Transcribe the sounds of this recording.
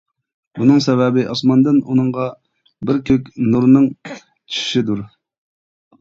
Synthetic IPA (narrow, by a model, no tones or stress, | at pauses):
bunɨŋsɛvɛbɪʔɑsmɑnd̪ɨnunɨŋʁɑ | bɪɾkʲʰøkʲnuɾnɨŋ | t͡ʃʰi̥ʃi̥ʃid̪uɾ